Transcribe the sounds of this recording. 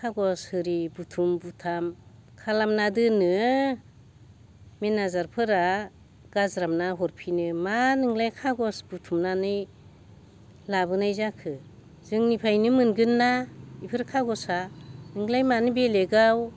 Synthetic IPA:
kʰaɡɔshɯɾibutʰumbutʰamkʰalamnadɯnɯ | menazaɾpʰɯɾa | ɡ̥azɾamnaɦɔɾpʰinɯmanɯŋlajkʰaɡɔsbutʰumnanɯj | laβɯnajzakʰɯ | zɯŋnipʰajnɯmɯnɡɯnːaipʰɯɾkʰaɡɔsanɯŋlajmanɯbeleɡaw

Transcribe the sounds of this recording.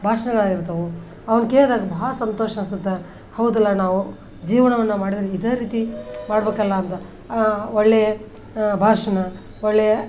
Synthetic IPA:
bʱaːʂɐnɐɡɐɭaːɡiɾt̪ɐʋu | ɐʋɐnkeːd̪aːɡɐbɐɦɐɭɐsɐnt̪oːʃɐɐsɐd̪ːɐ | hɐwud̪ɐlːɐnaːʋu | d͡ʒiːʋɐɳɐʋɐnːɐmaːɽid̪ɾiid̪eːɾiːt̪imaːɽbeːkɐlːɐːnt̪ɐ | ɔɭːejɐ | bʱaːʂɐnɐ | ɔɭːejɐ

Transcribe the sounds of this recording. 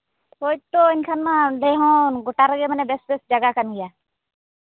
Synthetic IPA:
poːɪʈ̚t̪oɪnkʰaːnmãɖeːɦõːɡʊʈaːɾəɡemənebesbesd͡ʒəɡakənɡɪjaː

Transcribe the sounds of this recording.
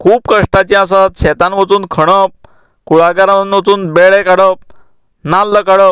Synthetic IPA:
kʰuːpkəʂʈat͡ɕĩasat̪ɕɛt̪anʋət͡suːnkʰəɽ̃əp̚ | kuɭaɡaɾanʋət͡suːnbeɭekaɽəp̚ | nalːəkaɽəp̚

